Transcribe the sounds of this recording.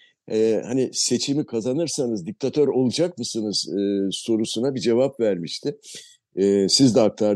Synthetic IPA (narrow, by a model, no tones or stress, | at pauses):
ɛhanise̞t͡ʃʰimikʰazanɯɾsanɯzd̪ic̚t̪ʰat̪ʰøɾo̞lˠud͡ʒak̚mɯsɯnɯz̥ɯːso̞ɾusunabid͡ʒe̞vapvæɾmiʃt̪ʰɪ | ɛsizd̪ɛak̚t̪ʰaɾ